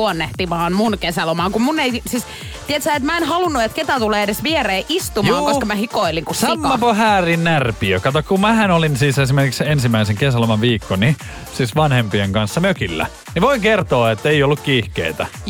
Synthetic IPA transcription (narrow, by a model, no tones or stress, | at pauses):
uonːeht̪iʋɑːnmunkesælomɑːŋkummunːeisis | t̪iɛt̪sæːet̪mæenhɑlunːuet̪ket̪æt̪uleːedesʋiɛreːʔist̪ummɑːŋkoskɑmæhikoiliŋkussɑmkːɑpohæːrinnærpiøkːɑt̪ɑkːɑkummæhænolinsiːsesimerkiksensimæiseŋkesælomɑʋʋiːkːoni | siːsʋɑnhempieŋkɑnsːɑmøkilːæ̰ | niʋoiŋkert̪oːet̪ːeiolːukkiːhkḛit̪æ̰